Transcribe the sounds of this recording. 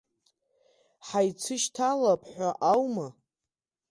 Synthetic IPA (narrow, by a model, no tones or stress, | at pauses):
ħajt͡sʰɨʃtʰalapʰʼħʷaʔawma